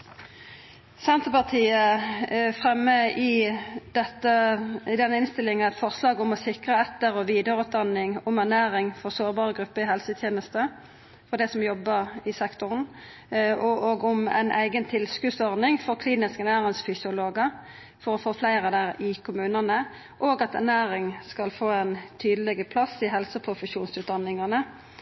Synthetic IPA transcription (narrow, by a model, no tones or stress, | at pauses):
sɛnt̪əpɑʁt̪ʰiːə | fʁɛmːəɪd̪̥ɛt̪ːəɪd̪ɛnːəɪnst̪ɪlɪŋənæɪt̪fɔʁslɑːɡʊmɔsɪkʁəɛt̪ːəʁɔʋiːd̪əʁʉːt̪̚d̪ɑnɪŋʊmæʁnæːʁɪŋfɔʁsoːʁbɑːʁəɡʁʉpːəɪhɛlsət̪ʰjeːnəst̪ə | fɔʁd̪ɛɪsɔmjɔbːəʁɪsɛkt̪ʊʁn̩ | ʔɔʔoːɡʊmɛ̰ɪnʔæ̰ɪɡənt̪ʰɪlskʉsɔʁnɪŋfɔʁkʰliːnɪskænæːʁɪŋsfʏsɪʊloːɡə | fɔɾɔfoːflæɪʁəd̪æːʁɪkʰʊmʉːnənə | ʔoːɡɑt̪æ̰ʁnæːɾɪŋskɑlfoːɛnt̪ʰyːd̪əlɛɡəpʰlɑsɪɦɛlsəpʰɾʊfəʃuːnsʉːt̪̚d̪ɑnːɪŋɑnə